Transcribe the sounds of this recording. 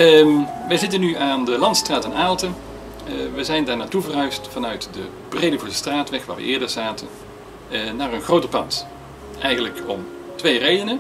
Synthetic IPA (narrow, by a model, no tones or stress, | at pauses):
əʋəjzɪtənːyaːndəlɑntstraːtɛnaːlˠtən | ʋəzɛjndaːɹnaːtuvərɦœɥstfɑnœɥtdə | b̥rejdəvusəstraːtʋɛχʋaːʋə̰ʔɪːɹdəɹz̥aːtən | naːrənχrowtəpɑnt | ʔɛjɣənləkɔm | tʋejrejdənə